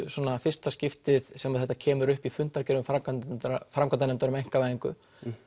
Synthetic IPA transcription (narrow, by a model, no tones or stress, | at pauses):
sɔnafɪr̥st̪ascɪft̪ɪðsɛmaðθɛt̪ːacʰɛːmʏɾʏhpifʏnt̪aɾcɛɾʏmfamkat̪fɾamkʰananɛmt̪aɾʏmejŋ̥kavaːðiŋkʏ̰